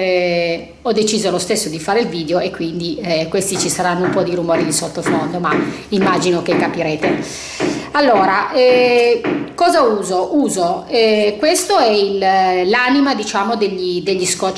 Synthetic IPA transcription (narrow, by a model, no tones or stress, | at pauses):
ɔd̪ːet͡ʃiːzolost̪esːod̪ifaːɾeilviːd̪eoekːwind̪ikwest̪it͡ʃisaɾanːoumpɔd̪iɾumɔːɾid̪isot̪ːofond̪oma | imːad͡ʒinokekːapiɾeːt̪e | alːoːɾaʔɛ | kɔːzauːzoʔuːzoɛkwest̪oɛillaːnimad̪it͡ʃaːmod̪eʎːid̪eʎːiskɔt͡ʃ